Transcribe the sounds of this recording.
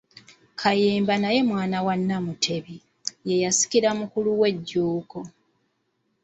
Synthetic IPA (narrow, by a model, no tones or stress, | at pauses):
kʰajeːmbanaje̞mwaːnawanːamutʰe̞βi | je̞jasi̥kiɾamukuluwe̞ɟːuːko